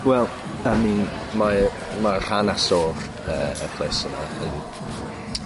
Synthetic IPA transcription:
wɛlˠ | ami | ma | mar̥anasɔr | əə̰pʰl̥esənɔ̰ən

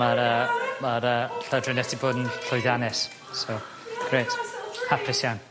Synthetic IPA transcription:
aɾəmaɾəːɬadrənɛtiboːdn̩ɬɔjðjanɛs | so | ɡ̥reːthapʰɪsjan

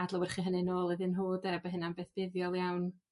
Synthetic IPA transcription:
adlˠəwɛrχiːɦənɨnoːlˠəðɨnɦoːdɛbəɦɨnambeːθb̥ɪðjɔlˠjawn

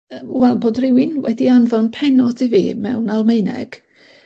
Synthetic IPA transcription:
əwɛlˠboːdrɪwɪnwɛdianvɔnpʰɛnɔdivḭːmɛ̰wnalˠmeɨnɛ̰ɡ̥

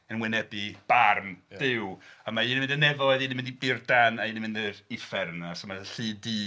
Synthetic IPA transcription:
ənwɪnɛbɨb̥armd̥ɪwəmainimɪ̃ndənɛvɔɨðinimɪndibɪrdanainimɪndɪfɛɾnasɔmaðəɬɨːdiː

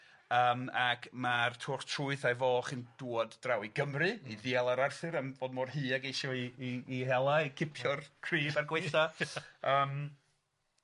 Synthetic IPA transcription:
əːmakmartʰʊːχtʰrʊɨθajvoːχɨnd̥uːɔdd̥rawiɡəmrɨiðiɛlˠaɾarθɨɾəmvoːdmɔːrɦɨːaɡejʃɔiːhɛlˠaikʰɪpʰjɔrkʰriːbarɡweθaəːm

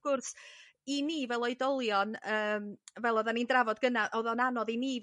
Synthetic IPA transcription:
vɡ̥ʊrs | iniːvɛlˠɔjdɔlˠjɔnəːmvɛlˠɔðanindravɔd̚ɡənaʔɔðɔnanɔðiniː

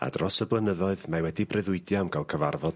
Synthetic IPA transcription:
a̰drɔsəblˠənəðɔɨðmajwɛdibrɪðʊɨdjamkʰalˠkʰəvarvɔd̥

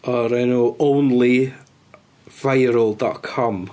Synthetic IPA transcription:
ɔɾɛnoʔownli | v̥ajɾəlˠdɔ̰tkʰɔm

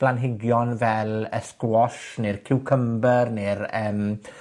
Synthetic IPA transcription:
b̥lanɦɪɡjɔnvɛləskɔʃnɪrkʰɪwkʰəmbərnɪrəːm

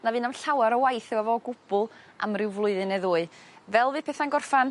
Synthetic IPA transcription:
navɨːnamɬawaɾəwajθɛwavɔɡʊb̥ʊlˠ | a̰mrɪwvlˠʊɨðɨnɛðʊːɨvɛlˠvɨːpʰeːθanɡɔrfan

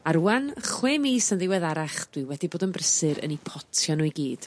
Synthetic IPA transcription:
aɾuːanχweːmiːsənðɪwɛðaɾaχd̥wɪwɛdiboːdənbrəsɨɾə̰nipʰɔtʰjɔnujɡiːd̥

